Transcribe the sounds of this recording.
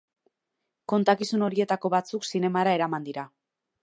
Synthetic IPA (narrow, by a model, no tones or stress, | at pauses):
ko̞nt̪akisuno̞ɾie̞t̪ako̞βat͡suksine̞maɾae̞ɾamand̪iɾa